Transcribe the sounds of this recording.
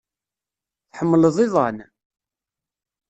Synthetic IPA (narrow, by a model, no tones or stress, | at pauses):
θħəmːələðˤɪðˤɑn